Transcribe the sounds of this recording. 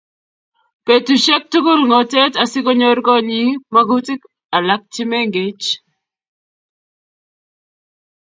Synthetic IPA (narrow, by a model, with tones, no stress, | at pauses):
pe˨tu˨ʃɛ˦k̚tu˦kʊ˦lŋɔ˨te˦ta˨sɪ˦ko˦ɲo˦rkɔ˦ɲi˦ma˦ɡu˦ti˦k | a˨la˦k̚tɪ˦me˦ŋɡe˦t͡ʃ